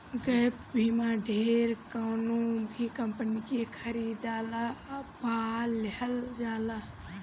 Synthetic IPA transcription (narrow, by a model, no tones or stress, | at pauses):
ɡəpbʱiːmãːɖʱeːɾkaːnũbʱikɐ̃mpənikekʰəɾiːd̪aːlabaːlːehəld͡ʒaːla